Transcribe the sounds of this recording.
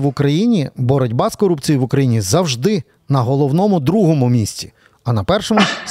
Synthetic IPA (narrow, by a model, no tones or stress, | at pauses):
ʋʊkɾɐjinʲibɔɾɔdʲbɑskɔɾupt͡sʲijiʋʊkɾɐjinʲizɐwʒd̪ɪ | nɐɦɔlˠɔwnɔmʊd̪ɾuɦɔmʊmʲisʲtʲi̥ | ɐnɐpɛrʃɔmʊ